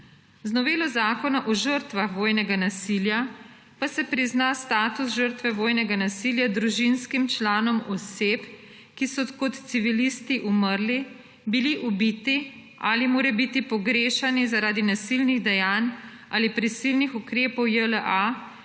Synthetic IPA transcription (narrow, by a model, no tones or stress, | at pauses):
znɔʋeːlɔzaːkɔnaʔɔʒəɾt̪ʋaxʋoːjnɛɡanasilja | pasɛpɾiznast̪aːt̪usʒəɾt̪ʋɛʋoːjnɛɡanasiljad̪ɾuʒinskimt͡ʃlaːnɔmɔseːp | kisɔkɔt̪t̪siʋilist̪iʔuməɾli | biliʔubit̪i | ʔaːlimoːɾɛbit̪ipɔɡɾeːʃanizaɾaːd̪inasilniɣd̪ɛjaːn | aːlipɾisilnixukɾeːpɔwjələʔa